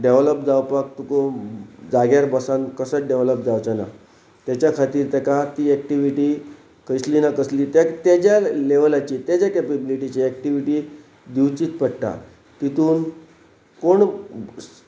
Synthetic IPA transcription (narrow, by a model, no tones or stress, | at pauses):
ɖeʋləp̚d͡zawpak̚t̪ukod͡zaɡjaɾbəsankəsəɖeʋləp̚d͡zawt͡ɕana̰ | t̪jat͡ɕjakʰat̪iːɾt̪ɛkat̪iːɛk̚ʈiʋiʈiː | kʰəjsliːnakəsliːt̪at̪ad͡ʑjaleʋəlat͡ɕiːt̪jad͡ʑakɛpebiliʈit͡ɕeːk̚ʈiʋiʈiː | d̪iwt͡ɕiːt̪pəɽʈa̰ | t̪it̪uːn | koɳ